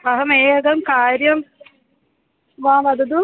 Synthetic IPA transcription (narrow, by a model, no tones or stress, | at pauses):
ɐɦɐmeːɡɐmkaːɾjɐm | ʋaːʋɐd̪ɐd̪u